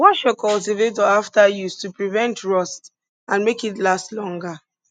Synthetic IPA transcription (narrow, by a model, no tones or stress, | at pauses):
wɔ̃nʃɔkɔlsivetɔaftajutupɹivɛ̃ntʰɹɔst | ãnmekitlastlɔ̃ŋɡa